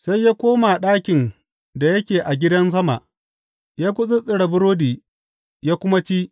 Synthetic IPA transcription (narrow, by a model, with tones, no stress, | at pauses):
sa˦jːaː˦kʷoː˦ma˨ɗaː˦kʲɪ˨n | da˨jɐ˦kʲeː˨ʔa˨ɡʲɪ˦dɐ˦ns̬ɐ˦ma̰˨ʔ | jaː˦kʷʊ˦sʼɪ˦sʼɪ˨ɽɐ˨bʊ˦ɾoː˦diː˨ | jaː˦kʷʊ˦ma˦t͡ʃi˦ʔ